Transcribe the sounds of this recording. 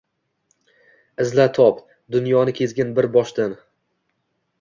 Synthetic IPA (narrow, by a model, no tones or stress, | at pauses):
ɪzlat̪ʰɒp | d̪ʊnjɒnɪkʲʰe̞zɡʲanbɪɾbɒʃd̪an